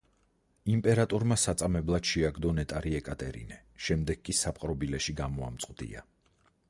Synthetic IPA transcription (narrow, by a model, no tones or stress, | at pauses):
impʼɛɾat̪ʼɔɾmasat̪sʼamɛblˠad̪̥ʃɛaɡd̪ɔnɛt̪ʼaɾiɛkʼat̪ʼɛɾḭnɛ | ʃɛmd̪ɛɡ̥̚kʼisapʼqʼɾɔbilɛʃiɡamɔa̰mt̪sʼqʼd̪ḭa̰